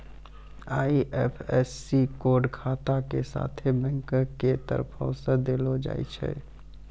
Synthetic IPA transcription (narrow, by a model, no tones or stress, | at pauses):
aːiʔɛːpʰɛsːikoːɾɖkʰaːt̪akesa̰ːt̪ʰebɛ̃ŋkəket̪ə̰ɾpʰɔ̃səd̪elod͡ʒa̰ːḭt͡ʃʰɛ̰